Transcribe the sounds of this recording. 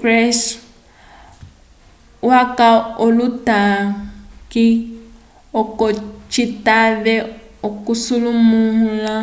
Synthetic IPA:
krɛs | wakaoluta | ki | ɔkɔt͡ʃitaβɛɔkusulumuɦla

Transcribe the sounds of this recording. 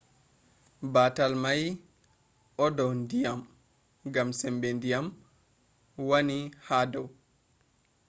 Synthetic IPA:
baːtalmaj | ɔdɔwndijam | ɡamsɛmbɛndijam | wanihadɔw

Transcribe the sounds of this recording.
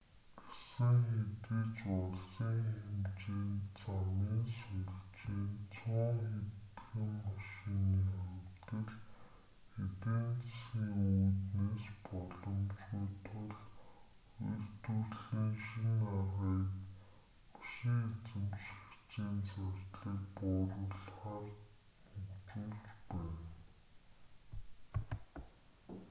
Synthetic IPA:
ɡ̥e̥sɘ̆ŋxet̪et͡ɕʊɮsiŋxemt͡ɕiːnt͡sʰamiːnsŭt͡ɕeːnt͡sʰʊːŋxet̪xĭmːaʃiniːχamt̪ə̆ɮ | et̪ent͡ssxiːŋuːt̪neːspɔɮɞ̆mt͡ɕɡuːjt̪ʊɮ | ḛr̥t̪urɮiːŋʃinaʁiːk | mḁʃiŋet͡sɘ̆mʃi̥kt͡ɕiːnt͡sarʲt̪ɮiːk̚pʊːɾə̆ɮχaːr | ukt͡ɕuːɮt͡ɕpæːn

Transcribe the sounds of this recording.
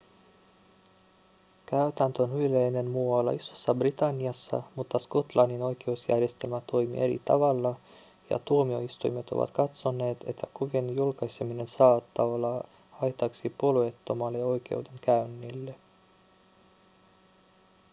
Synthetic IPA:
kæyt̪ænt̪øonylejne̞nmuɑlɑ̰isosːɑbrit̪ɑnːiɑsːɑ̰mut̪ːɑsko̞t̪lɑnːino̞jk̟eusjæ̰rje̞st̪e̞lmæt̪o̞jmḭʔe̞ɾḭt̪ɑ̰ʋɑlːɑ | jɑ̰t̪uomio̞ist̪ujme̞t̪o̞̰ʋɑ̰t̪kɑt̪so̞ne̞ːt̪e̞t̪ʰːækuʋinjulkɑjsemine̞nsɑːt̪ːɑːo̞lːɑ | ɑjt̪ɑksipo̞luet̪ːo̞mɑlːeo̞jk̟e̞̰wde̞ŋkæynːilːe̞

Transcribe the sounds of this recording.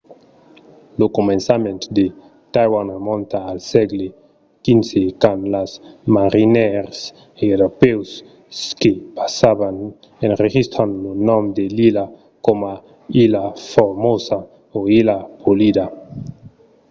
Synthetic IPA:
lokomẽnsamẽnt̪d̪e | t̪ajwanremõnt̪aːlsɛɡle | kinsekanlasmaɾineɾs | eɾopews | skepḁsaβan | enreʒist̪ɾanlonɔmd̪elila | koma | ilafoɾmosa | oilapʰolid̪a

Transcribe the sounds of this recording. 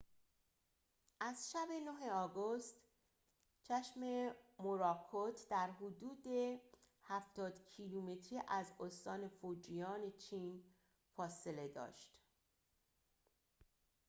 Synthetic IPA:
ʔæzʃæbe̞noɦe̞ɒːɡost̪ | t͡ʃʰæʃme̞moɾɒːkʰot̪ʰd̪æɾɦod̪uːd̪e̞ | hæft̪ɒːd̪̥cʰilume̞t̪ʰɾiːʔæzost̪ɒːne̞fod͡ʒijɒːne̞t͡ʃʰiːn | fɒːse̞le̞d̪ɒ̰ːʃt̪

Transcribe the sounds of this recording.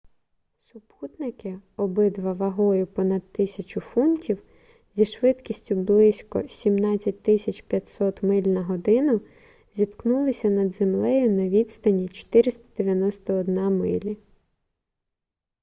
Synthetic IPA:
sʊput̪nɪkɪɔbɪd̪ʋɐʋɐɦɔjʊpɔnɐd̪t̪ɪsʲɐt͡ʃʊfuntʲiw | zʲiʃʋɪt̪kʲisʲtʲʊblˠɪsʲkɔsʲimnɑt͡sʲːɐt̚ʲt̪ɪsʲɐt͡ʃpʲjɐt̪ʲsɔt̪mɪlʲnɐɦɔd̪ɪnʊ | zʲit̪knulˠɪsʲɐnɐd̪zemlˠɛjʊnɐʋʲid̪st̪ɐnʲit͡ʃɔ̥t̪ɪɾɪst̪ɐ̥d̪eʋʲjɐnɔst̪ɔːd̪nɑmɪlʲi

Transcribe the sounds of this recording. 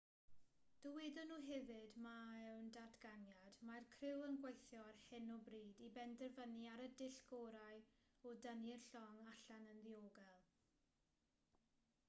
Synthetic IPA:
d̥əwedɔnuːɦɛvɨdmaɛwndadɡanjadmarkʰrɪwənɡwejθjɔrhɪnɔbriːdibɛndɛrvəniaɾədɪɬɡ̥oːɾajɔdənɪrɬɔŋaɬanənðioːɡalˠ

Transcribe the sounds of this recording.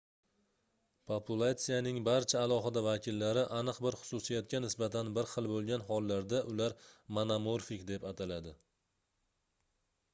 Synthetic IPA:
pʰopʰulˠat̪sijanɪŋbaɾt͡ʃʰaːlˠɒɦɪd̪avakʲɪlːaɾɪʔanɨqbɪɾχʊ̥sʊsijat̪̚kʲʰanɪsbat̪ʰanbɪɾχɨlˠbolˠɡʲanɦɒlˠːaɾd̪aʔʊlaɾmanamoɾfɪkd̪epat̪ʰalad̪ɪ

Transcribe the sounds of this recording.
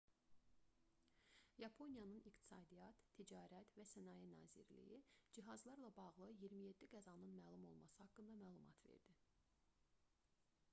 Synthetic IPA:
jɑpʰo̞nijɑnɯnikt̪ʰi̥sɑːd̪ijɑt̪ʰːid͡ʒɑːɾæt̪væsænɑːjinɑ̰ːzḭɾlḭjid͡ʒiɦɑzlˠɑɾlˠɑbɑɣlˠɯjiɾmije̞d̪ːiɡæzɑnɯnmæːlˠumo̞̰lˠmɑsɯhɑkːɯnd̪ɑmæːlˠumɑ̰t̪ʰve̞̰ɾd̪̥i

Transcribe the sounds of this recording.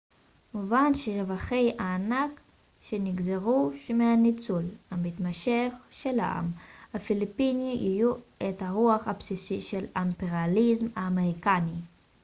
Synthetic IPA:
muvanʃeavaχe̞jaːnak | ʃeniɡzeʁuʃmeanit͡sulhamit̪maʃe̞χʃe̞la̰ʔa̰mhafilipiniʔijuʔet̪haʁuaχhapsisiʃelampeʁializmaːmeʁikani

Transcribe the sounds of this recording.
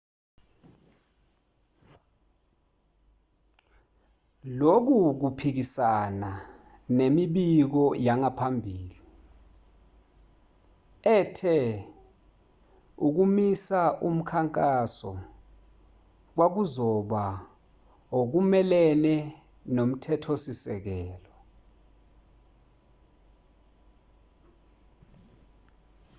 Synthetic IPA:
lok̬uk̬upʰik̬isana | nemiɓik̬ɔjaŋapʰambʱiːli | ɛtʰɛ | uk̬umisaʔum̩kʰaŋkʼasɔ | k̬wak̬uzɔɓa | ok̬umɛlɛnɛ | nom̩tʰɛtʰosisɛk̬ɛːlɔ

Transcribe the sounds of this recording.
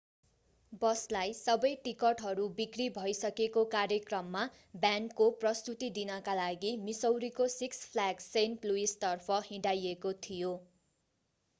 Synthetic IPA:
bʌslajsʌbʌjʈikʌʈɦʌɾubikribʱʌjsʌkekokarjʌkrʌmːa | bjankoprʌst̪ut̪id̪inʌkalaɡimisʌwɾikosikspʰlaɡsenpluist̪ʌrpʰʌhĩɖajekot̪ʰijo

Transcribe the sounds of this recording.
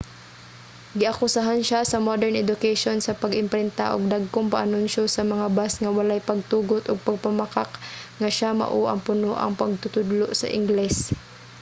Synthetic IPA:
ɡɪʔakʊsaɦanʃasɐmod̪ɛɹnʔɛd̪ʊkɛʃonsɐpɐɡɪmpɾɛnt̪a̰ʔʊ̰ɡ̚d̪aɡ̚koŋpaʔanʊnʃosɐmɐŋabasŋɐwɐlajpɐɡ̚t̪uːɡʊt̪ʔʊɡ̚pɐɡ̚pamakakŋɐʃama̰ʔuʔɐ̰ŋpʊnoʔɐ̰ŋpɐɡ̚t̪ʊt̪ʊd̪loʔsɐ̰ʔɪ̰ŋɡlɛs

